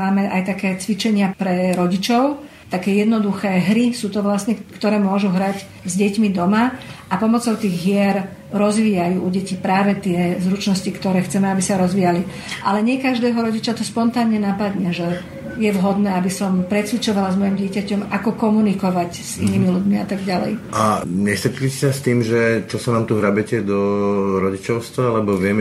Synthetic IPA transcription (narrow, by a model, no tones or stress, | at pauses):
aːmɛʔajt̪akɛːt͡sʋit͡ʃɛɲɪapɾɛɾɔɟit͡ʃɔʊ | t̪akɛːjɛd̪nɔd̪uxɛːɦɾisuːt̪ɔʋlasnɛkt̪ɔɾɛːmʊɔʒuɦɾac | zɟɛcmid̪ɔmaʔapɔmɔt͡sɔʊt̪iːɣɦɪɛɾɾɔzʋiːjajuːuɟɛcipɾaːʋɛt̪ɪɛzɾut͡ʃnɔscikt̪ɔɾɛːxt͡sɛmɛabisaɾɔzʋiːjali | ʔalɛɲɪɛkaʒd̪ɛːɦɔɾɔɟit͡ʃat̪ɔspɔnt̪aːnɲɛnapad̪ɲɛʒɛ | jɛʋɦɔd̪nɛːabisɔmpɾɛt͡sʋit͡ʃɔʋalazmɔjimɟɪɛcacɔmakɔkɔmunikɔʋaɟz̥ḭniːmiluɟmiat̪aɡɟalɛ̰jʔaɲɛst̪ɾɛt͡ʃulisɛsast̪iːmʒɛt͡ʃɔsanaːmt̪uɦɾabɛcɛd̪ɔɾɔɟit͡ʃɔʊst̪ʋaalɛbɔʋɪɛm